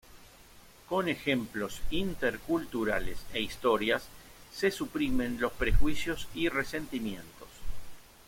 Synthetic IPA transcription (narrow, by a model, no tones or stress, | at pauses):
ko̞ne̞xe̞mplo̞sint̪eɾkult̪uɾa̰lḛseist̪o̞ɾjasːesupɾimẽ̞nlo̞spɾexwisjosirese̞nt̪imje̞̰nt̪o̞s